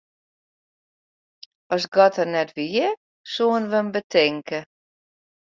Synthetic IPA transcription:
ɔsɡɔtərnɛtʋiɪ | suənʋəmbətʰɪŋkə

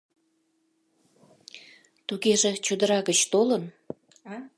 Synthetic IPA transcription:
t̪uɣeʒet͡ɕud̪əɾɑɣət͡ɕt̪olən

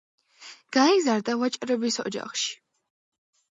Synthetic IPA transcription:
ɡ̥aizaɾd̪avat͡ʃʼɾɛbisɔ̰d͡ʒa̰χʃi̥

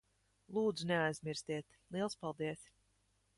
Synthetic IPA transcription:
lˠuːd̪zuneajzmʲiɾst̪iɛt̪ | lˠiɛlˠspalˠd̪iɛs

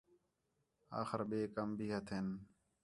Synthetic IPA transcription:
a̰ːxəɾɓeːkəmbʱiːɦət̪ʰɪn

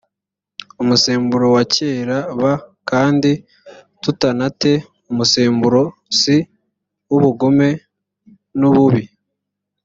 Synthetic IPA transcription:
umuseːmbuɾo̞waceːɾaβakaːndi | tutanate̞ | umuseːmbuɾo̞si | wuβuɡo̞me̞ | nuβuβi

